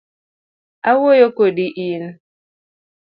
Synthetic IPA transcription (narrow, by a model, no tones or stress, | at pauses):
awojokodiʔin